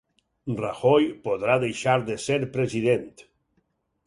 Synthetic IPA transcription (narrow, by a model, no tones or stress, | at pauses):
raxɔjpoðɾaðejʃaɾðeseɾpɾeziðent̪